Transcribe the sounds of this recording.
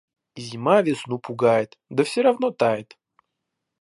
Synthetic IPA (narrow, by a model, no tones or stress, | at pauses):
zʲɪmavʲɪsnupʊɡajɪt̪d̪əfsʲɪɾɐvnot̪ajɪt̪